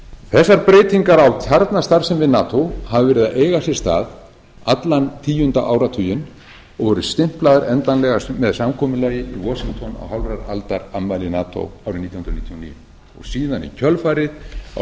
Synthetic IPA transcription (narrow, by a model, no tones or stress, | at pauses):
θɛsːaɾpɾeːjt̪ʰiŋkaɾawc̪ʰaɾt̪nast̪aɾ̥sɛmvɪðnaːt̪ʰowhavvɛɾɪðaʔeːjɣasɪ̥st̪a̰ːð | at̪lant̪ʰiːjʏnt̪a̰ʔawɾat̪ʰʏːjʏn | ɔɣvɔːɾʏst̪ɪm̥plaːðaɾɛnt̪anlɛɣamɛðsamkʰɔːmʏlaːjɪʔivɔsiŋkt̪ʰɔna̰wɦawɾaɾalt̪aɾamːajlɪnaːt̪ʰo̰wawɾɪniːt̪jhnɾnit̪jɔnḭːʏ̰n | ɔ̰ɣsiːðanḭcʰœlfaːɾɪð̰